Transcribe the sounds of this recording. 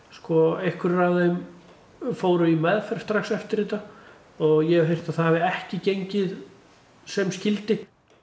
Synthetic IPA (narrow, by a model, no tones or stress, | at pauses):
skɔehkʏɾraðem | foːwɾʏimɛðfɛɾ̥st̪ɾaxsɛft̪ɪɾɪːt̪a | ɔɣjɛɦejr̥t̪aðθaavɪɛhcɪcejɲcɪð | sɛmscɪlt̪ɪ